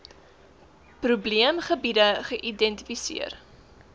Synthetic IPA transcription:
prubliəmχəbidəχəʔidɛntifisḭər

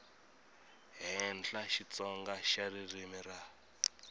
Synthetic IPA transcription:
ɦɛnɬaʃit͡sɔŋɡaʃaririmira

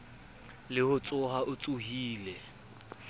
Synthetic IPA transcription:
lɪhʊt͡sʼʊɦaʔʊt͡sʼuhiːlɛ

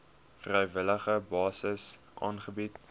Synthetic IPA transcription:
frɛjvələχəbɑːsəs | ʔɑːnχəbit

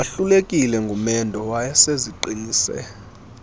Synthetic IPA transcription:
aɬulekʼilɛŋɡʱumɛndʱɔwajaseziǃiniːsɛ̰

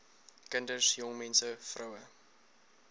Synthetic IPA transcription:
kəndəsjɔŋmɛnsəfrʔɐwə

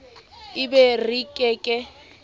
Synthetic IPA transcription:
ɪbɛrikʼɛːkʼɛ

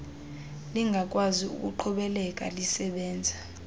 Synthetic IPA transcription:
liŋɡʱak̬ʼwaziṵk̬ʼuǃʰɔɓɛlɛkʼa̰lisɛɓɛːnd͡zʱa

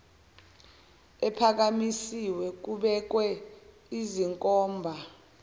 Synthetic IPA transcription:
ɛpʰak̬amisiwɛk̬uɓɛk̬wɛ | iziŋkʼɔːmbʱa

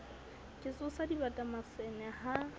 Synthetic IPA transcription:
kʼɪsʊsadibatʼamasɛnɛha

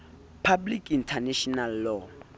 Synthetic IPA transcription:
pʰablikʰintʰanɛʃɔnalːɔ

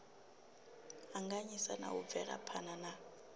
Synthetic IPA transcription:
aŋɡaɲisana̰ub̪vɛra̰pʰanana

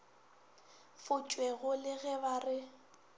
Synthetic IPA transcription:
fʊt͡ʃʼwɛɣʊlɪɣɛbarɪ

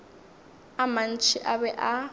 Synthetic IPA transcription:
aman̩t͡ʃʰiʔaβɛʔa

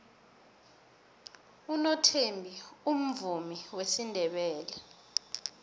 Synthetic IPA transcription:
unɔtʰembʱium̩vumiwesindʱɛɓɛːlɛ

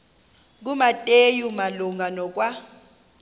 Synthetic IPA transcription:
k̬umatʼejumaluŋɡʱanɔk̬wa

